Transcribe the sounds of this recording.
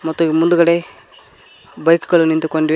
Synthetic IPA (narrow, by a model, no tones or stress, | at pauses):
mɔt̪ːuimund̪uɡɐɽe | bɐjkuɡɐɭunint̪ukoɳɖi